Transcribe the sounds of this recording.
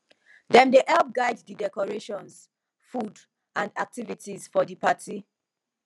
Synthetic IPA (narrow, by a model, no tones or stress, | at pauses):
dɛ̃mdeʔɛlp̚ɡaɪddidɛkɔɹeʃɔ̃ns | fud | ãndak̚tivitizfɔdipatʰi